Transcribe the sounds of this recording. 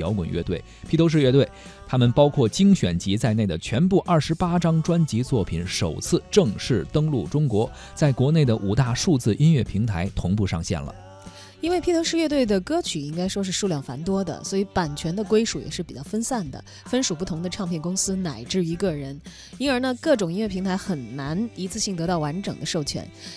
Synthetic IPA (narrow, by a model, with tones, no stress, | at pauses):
jɑ˧˥ʊkwə˨˩nɥɛ̰˥˧t̪we˥˩ɪpʰi˧˥t̪ʰo˧˥ʊʂ̬ɻ̩˥˧ɥɛ˥˧t̪we˥˩ɪ | t̪ʰa˥mə˨npɑ˥ʊkʰwɔ˥˩t͡ɕi˥ŋɕɥɛ˨˩nt͡ɕi˧˥t͡sa˥˧ɪne˥˩ɪd̪ə˩t͡ɕʰɥɛ˧˥npu˥˧ʔɐ˞˥˩ʂɻ̩˧˥pa˥ʈ͡ʂɑ˥ŋʈ͡ʂwa˥nt͡ɕi˧˥t͡swɔ˥˩pʰi˨˩˦nʂo˨˩ʊt͡sʰɹ̩˥˧ʈ͡ʂɤ˥˧ŋʂɻ̩˥˩t̪ɤ˥ŋlu˥˩ʈ͡ʂʊ˥ŋkwɔ˧˥ | t͡sa˥˩ɪkwɔ˧˥ne˥˩ɪd̪ə˩ʔu˨˩t̪a˥˧ʂu˥˧t͡sɹ̩˥˩ʔi˥nɥɛ˥˩pʰi˧˥ŋt̪ʰa˧˥ɪt̪ʰʊ˧˥ŋpu˥˧ʂɑ̰˥˧ŋɕjɛ̰˥˩nlə̰˩ | i˥nwe˥˩ɪpʰi˥t̪ʰɤ˧˥ŋʂɻ̩˥˧ɥɛ˥˧t̪we˥˩ɪd̪ə˩kɤ˥t͡ɕʰy˨˩i˥ŋka˥ɪʂwɔ˥ʂ̬ɻ̩˥˧ʂu˥˧ljɑ˥˩ŋfa̰˧˥nt̪wɔ˥d̪ə̰˨swɔ˧˥i˧˥pa˨˩nt͡ɕʰɥɛ˧˥nd̪ə˧kwe˥ɪʂu˨˥jɛ̰˨˩ʂɻ̩˥˩pi˨˩t͡ɕjɑ˥˩ʊfə˥nsa˥˩nd̪ə̰˩ | fə˥nʂu˨˩pu˥˩t̪ʰʊ˧˥ŋd̪ə˧ʈ͡ʂʰɑ˥˧ŋpʰjɛ˥˩nkʊ˥ŋsɹ̩˥na˨˩ɪʈ͡ʂɻ̩˥˩i˧˥kə˥˧ɻə˧˥n | i˥nə˞˧˥na˥˧kɤ˥˩ʈ͡ʂʊ˨˩ŋi˥nɥɛ˥˩i˧˥ŋt̪ʰa˧˥ɪxə˨˩nna˧˥ni˧˥t͡sʰɹ̩˥˧ɕi˥˩ŋt̪ɤ˧˥t̪ɑ˥˩ʊwa˧˥nʈ͡ʂɤ˨˩ŋd̪ə˦ʂo˥˩ʊt͡ɕʰɥɛ̰˧˥n